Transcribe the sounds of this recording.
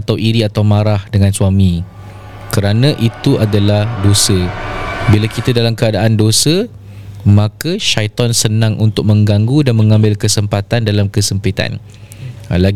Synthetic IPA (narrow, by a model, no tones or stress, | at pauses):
t̪awʔiɾiat̪awmãɾahdəŋãnsuamĩ | kəɾanãʔit̪uʔadalahdosəbilakit̪adalamkəadaandosə | mãkəʃajt̪ɔnsənãŋʔunt̪ʊk̚mə̃ŋɡaŋɡudanmə̃ŋãmbɪlkəsəmpat̪andalamkəsəmpit̪a̰n | la